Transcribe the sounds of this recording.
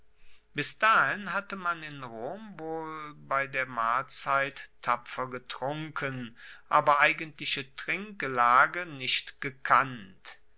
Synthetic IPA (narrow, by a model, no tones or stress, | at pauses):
b̥ɪsd̥aːhɪnɦatəmanɪnʁoːmvoːlbaɪdeːɐmaːlt͡saɪtʰːapfɐɡətʁ̥ʊŋkʰənʔaːbɐʔaɪɡəntlɪʃətʁ̥ɪŋk̚ɡəlaːɡənɪʃtɡ̥əkʰant